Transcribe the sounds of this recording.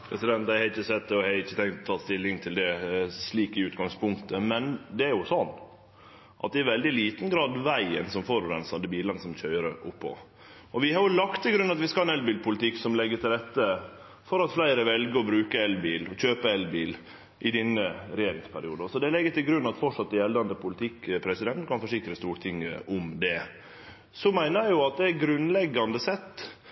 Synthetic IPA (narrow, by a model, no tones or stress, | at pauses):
pʰɾɛsɪd̪ɛnt̪æɪhɛɪçːəsɛt̪d̪ɛɔhɛɪçːət̪ʰɛŋkt̪ɔt̪ʰɑːst̪ɪlːɪŋt̪ʰɪld̪ɛsliːkɪʉːt̪ɡɑŋspʰʊŋkt̪əmɛnd̪ɛæɾjʊsɔnː | ʔɑt̪̚d̪ɛɪʋɛld̪ɪliːt̪n̩ɡɾɑːd̪ʋæɪənsɔmfoɾʉɾɛnsɑd̪əbiːlənəsɔmc͡çœʏɾəʔʊpːɔ̰ | ɔʋɪhɑɾjʊlɑkt̪ʰːɪlɡɾʉnːɑt̪ʋɪskɑlɛnɛlbiːlpʰʊlət̪ʰɪksɔmlɛɡːət̪ʰɪlɾɛt̪ːə | fɔɾɑt̪flæɪɾəʋɛlɡəɾɔbɾʉːkəɛlbiːlɔçøːpəɛlbiːl | ʔɪd̪ɛnːəɾɛjeːɾɪŋspʰæɾɪuːd̪ɔsɔd̪ɛlɛɡːət̪ɪlɡɾʉnːɑt̪fɔʈʂɑt̪̚d̪ɛjɛld̪ɑnd̪əpʰʊlɪt̪ʰɪkːpʰɾɛsɪd̪ɛnt̪kʰɑnfɔʂɪkɾəst̪uːɾt̪ʰɪŋːəʔʊmd̪ɛ | sɔmæɪnəjæɪjʊɑt̪̚d̪ɛæɾɡɾʉnlɛɡːɑnd̪əsɛt̪ː